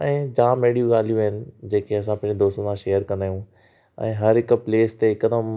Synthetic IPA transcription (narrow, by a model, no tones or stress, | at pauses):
ɛ̃ːd͡ʑãːmeːɽijũɡaːl̤ijũɦɪnɪ̆d͡ʑeːkeɐsãpɐ̃ɦd͡ʑed̪oːst̪sãʃeːjəɾkɐnaːjũ | ɛ̰̃ːɦɐɾɦɪkpleːst̪eɪkːəd̪əm